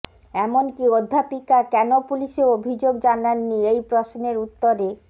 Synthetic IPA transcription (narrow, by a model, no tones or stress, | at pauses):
ɛmonkiod̪ʱːapikakɛnopuliʃeobʱid͡ʑoɡd͡ʑananːiejpɾosneɾut̪ːoɾe